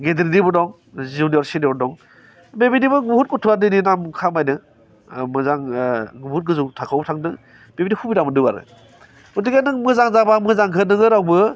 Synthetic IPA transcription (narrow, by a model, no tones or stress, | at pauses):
ɡedɾinibɯdɔŋ | zuniɔɾsinidɔŋ | bebidibɯɡuhut̚kutʰuadɯninamkʰamajnɯ | mɯzaŋɡuhut̚ɡɯzuŋtʰakʰawbtʰaŋnɯ | b̥ebidihubiɾamɯndɯwaɾɯ̰ | udiɡanɯŋmɯzaŋzabamɯzaŋɡʰʱɯnɯŋɯɾawbɯ